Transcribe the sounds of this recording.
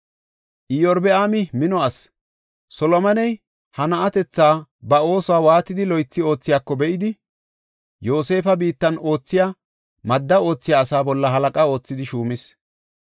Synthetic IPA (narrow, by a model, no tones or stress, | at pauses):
ʔɪjɔɾbɛaːmɪmɪnɔɐs | sɔlɔmɐnɛj | hɐnɐʔɐt̪ɛt͡sːaːbɐo̞ːsɔaːwaːt̪ːɪd̪ɪlɔjt͡sːɪo̞ːt͡sːɪjaːkːɔbɛʔɪd̪ɪ | jo̞ːse̞ːfɐbiːt̪ːɐno̞ːt͡sːɪjaː | mɐd̪ːɐo̞ːt͡sːɪjaːsaːbɔlːɐɦɐlɐkʼao̞ːt͡sːɪd̪ɪʃuːmɪs